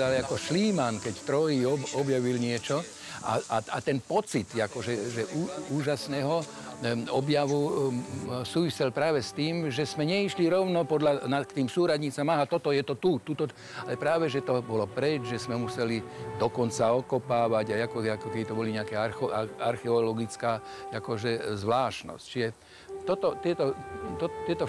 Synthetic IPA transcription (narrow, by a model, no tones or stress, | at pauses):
alɛakɔʃliːmankɛct̪ɾɔjiɔɔbjaʋilɲɪɛt͡ʃɔ | a̰a̰at̪ɛnpɔt͡sit̪akɔʒɛʒɛʔuːuːʒasnɛːɦɔ | ɔbjaʋu | suːʋisilpɾaːʋɛst̪iːmʒɛsmɛɲɛiʃliɾɔʊnɔpɔd̪ʎanakt̪iːmsuːɾadɲiːt͡samaɦat̪ɔt̪ɔjɛt̪ɔt̪ut̪ut̪ɔ | alɛpɾaːʋɛʒɛt̪ɔbɔlɔpɾɛd͡ʒʒɛsmɛmusɛlid̪ɔkɔnt͡saɔkɔpaːʋaɟajakɔɛakɔkɛbit̪ɔbɔliɲɛakɛːaɾxɔʔaaɾxɛɔlɔɡit͡skaːjakɔʒɛzʋlaːʃnɔ̰sct͡ʃiʒɛ | t̪ɔt̪ɔt̪ɪɛt̪ɔt̪ɔt̪ɪɛt̪ɔ